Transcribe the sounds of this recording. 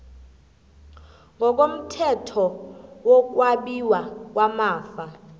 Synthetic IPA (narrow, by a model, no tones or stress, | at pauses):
ŋɡʱɔk̬ʼom̩tʰɛtʰɔwɔk̬ʼwaɓiwak̬ʼwamaːfa